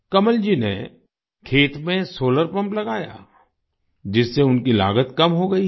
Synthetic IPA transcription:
kɐməld͡ʒinḛ | kʰeːt̪mẽsoːləɾpɐ̃mplɐɡaːja̰ː | d͡ʒɪsːeʊnkila̰ːɡət̪kɐmɦoɡɐi

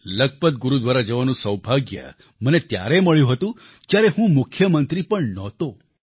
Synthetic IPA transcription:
ləɡ̚pət̪̚ɡuɾud̪ʋaɾad͡ʒəʋanũsəwbʱaɡjə̰ | mənet̪ja̰ɾeməɭjũɦət̪ũ | t̪jaɾeɦũmʊkʰjəmənt̪ɾipəɳnɔt̪o

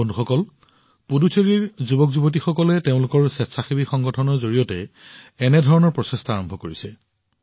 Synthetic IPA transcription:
onduxɔkɔl | pudusʰeɹiɹzubɔkzubot̬ixɔkɔlɛteʊ̃lʊkɔɹsɛtsaxibixɔŋɡɔtʰɔnɔɹzoɹijɔtɛː | nɛdʱɔɹɔnɔɹpɹɔsestɔaɹɔmbʱɔkoɹisɛ

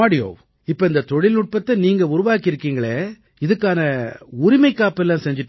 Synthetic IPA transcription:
aːɽɪjo̰ː | ɪpːɐːɪnd̪ɐt̪ɔɻɪlʊʈ̚pɐt̪ːɐniːŋɡɐʊɾʊʋaːkɪɾɯkːiːŋɡɐɭeː | ɪðɯkːaːnɐʊɾɪmɐɪkːaːpɛlːãːsɛɲd͡ʒɪʈː

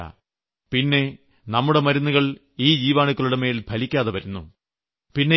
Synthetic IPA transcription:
a̰ | pinːe̞ | nɐmːuɽe̞mɐɾunːuɣɐɭ | iːd͡ʑiːʋaːɳukːɐɭuɽeme̞ːlbʱɐlikʲːaːðɐʋɐɾunːu | pinːe

